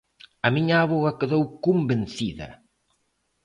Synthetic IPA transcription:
ɐmiɲaaβoɣɐkeðowkumbenθiðɐ̰

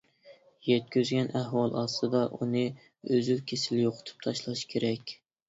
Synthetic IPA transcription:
jɛt̪̚kʲyzɡʲɛnʔæhwɑlˠɑst̪ɨd̪ɑʔunɨ | øzylkʲʰesɪljoqʰʊ̥t̪ʰu̥p̚t̪ʰɑʃlˠɑʃkʲʰeɾɛkʲ

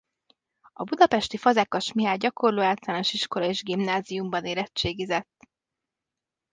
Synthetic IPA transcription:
ɒbud̪ɒpɛʃt̪ifɒzɛkːɒʃmiɦaːɟɒkʰo̞rloːaːlt̪ɒlaːnoʃiʃko̞lɒeːʒɡimnaːzijumbɒneːɾɛt͡ʃt͡ʃːeːɡizɛt̪ː

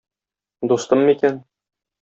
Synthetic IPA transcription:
d̪ust̪ɤmːikæn

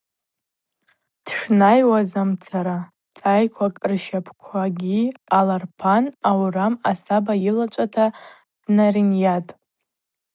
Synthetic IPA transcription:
d̥ʂnajwazamt͡sʰaɾa | t͡sʼajkʷʰakʼrʃapʰkʷʰaɡʲialarpʰanawramasabajilat͡ʃʷʼatʰa | d̥narinjatʼ

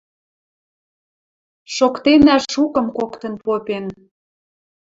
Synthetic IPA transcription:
ʃokt̪enæʃukə̆mkokt̪ə̆npopʲen

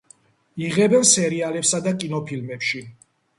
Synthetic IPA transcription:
iʁɛbɛnsɛɾialɛpsad̪akʼinɔpʰilmɛpʃi

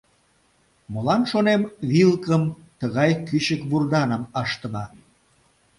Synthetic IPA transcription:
molɑnʃonemβilkəm | t̪əɣɑjkyɕəkβurd̪ɑnəmɑʃt̪ənɑ

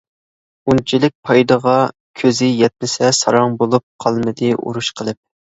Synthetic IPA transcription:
unt͡ʃʰilɪk̚ʲpʰɑjd̪əʁɑ | kʲʰøzɪjɛt̪̚nɪsɛsɑ̰ɾɑŋbolˠup̚qʰɑlˠmɨd̪ɨʔṵɾuʃqʰəlˠɨp̚

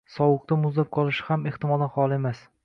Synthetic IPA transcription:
sɒwʊq̚t̪ʰamʊzlap̚qʰɒlˠɪʃɪ̥hameht̪ɪmɒld̪anχɒlˠemas

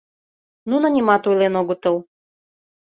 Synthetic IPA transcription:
nunə̆nʲimɑt̪ujlenoɣot̪əl

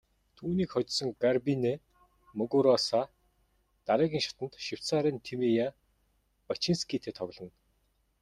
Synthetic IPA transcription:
t̪ʰuːniːkχɔt͡ɕsɞ̆ŋɡarpine | mɵɣuɾɔsa | t̪aɾɛːɣʲiːŋʃḁt̪ə̆nt̪ʃiw̥saɾɛnt̪ʰimija | pat͡ɕinskiːt̪ʰeːt̪ʰɔɣ̆ɮɞ̆n

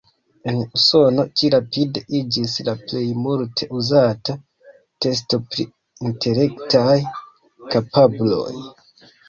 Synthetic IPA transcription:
e̞nuso̞no̞t͡ʃiɾapide̞ʔid͡ʒislaple̞jmultʰe̞ʔuzata | te̞s̬to̞pɾḭ | intʰe̞ɾe̞ktaj | kapablo̞̰j

